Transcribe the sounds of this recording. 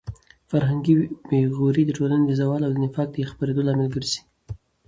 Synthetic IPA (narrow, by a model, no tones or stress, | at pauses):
faɾɦaŋɡibeɣoɾid̪əʈolaned̪əzawɑlawd̪ənɪfɑk̚d̪əjexpaɾed̪olɑmɪlɡəɾzi̥